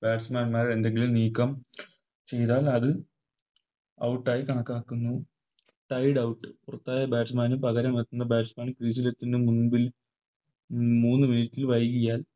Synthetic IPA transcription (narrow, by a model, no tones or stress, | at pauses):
b̥aːʈsmaːnmaːɾe̞nd̪e̞ŋɡilumniːkːɐm | t͡ɕe̞jðaːlɐðɨ | ɐ̰wʈːaːjikɐɳɐkːaːkːunːu | ʈɐjɽɐwʈːɨ̥purɐt̪ːaːjɐbaːʈsmaːnupɐɣɐɾɐmet̪ːunːɐbaːʈsmaːnkriːs̬ilet̪ːindemunbil | muːnːɨminitːilʋɐjɣijaːl